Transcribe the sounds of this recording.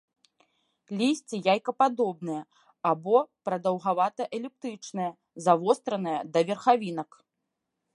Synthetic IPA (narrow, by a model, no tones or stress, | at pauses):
lʲisʲt͡sʲijajkɐpad̪ɔb̚nɨjɐ | abɔpɾɐd̪ɐwɣavat̪ɐʔɛlʲɛk̚t̪ɾɨt͡ʂnɐjɐ | zavɔst̪ɾɐnɐjɐd̪ɐvʲɛrxavʲinɐk